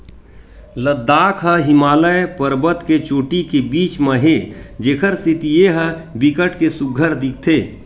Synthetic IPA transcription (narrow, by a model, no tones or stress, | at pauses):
ləd̪ːaːkʰɦəɦɪmaːləepəɾbət̪ket͡ʃoːʈikebiːt͡ʃmə̃ɦed͡ʒeːkʰəɾsɪt̪ijeɦəbɪkəʈkesʊɡʱəɾd̪ɪk̚t̪ʰeː